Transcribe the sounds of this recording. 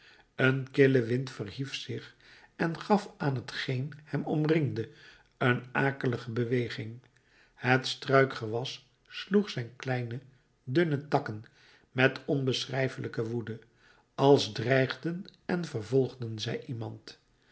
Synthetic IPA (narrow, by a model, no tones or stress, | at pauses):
ənkɪləʋɪntfərɦifsɪχ | ɛnχɑfaːnɦətχejnhɛmɔmrɪŋdə | ənaːkələχəbəʋejχɪŋ | hətstrœɥkχəʋɑsː | luχsɛjnklɛjnə | dɵnətɑkən | mɛtʰɔnbəsrɛjfələkəʋudə | ɑlˠzdrɛjχdənɛnvərvɔlˠχdənzɛjʔimɑnt